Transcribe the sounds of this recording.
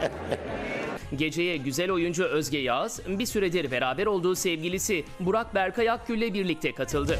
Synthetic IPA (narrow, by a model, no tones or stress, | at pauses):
ɟe̞d͡ʒe̞jɛɟyzælʲo̞jund͡ʒuøzɟɛjaz̥bisyɾed̪iɾbe̞ɾaːbɛɾo̞lˠd̪uːsɛvɟilʲisibuɾak̚bæɾkʰajak̚ɟyllːʲɛbiɾlʲic̚t̪ʰɛkʰat̪ʰɯlˠd̪ɯ